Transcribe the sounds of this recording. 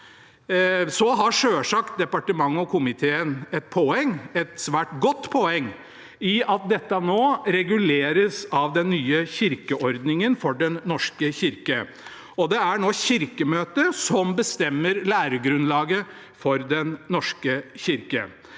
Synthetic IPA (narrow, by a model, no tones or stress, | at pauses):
sɔɦɑʂøːʂɑkt̪̚d̪ɛpɑʈəmɑŋːəɔkʰʊmɪt̪ʰeːənɛt̪̚pʰɔɛŋːɛt̪sʋæːʈɡɔt̪ːpʰɔɛŋː | ɪɑt̪̚d̪ɛt̪ːɑnoːɾɛɡʉleːɾəsɑʋd̪ɛnːyːəçɪɾkəʔɔɾd̪nɪŋənfɔɖɛnːɔʂkəɕɪɾkə | ɔd̪ɛæɳoːçɪɾkəmøːt̪əsɔmbəst̪ɛmːəɾlæːɾəɡɾʉnlɑːɡə | fɔɾd̪ɛnːɔʂkəçɪɾkə̰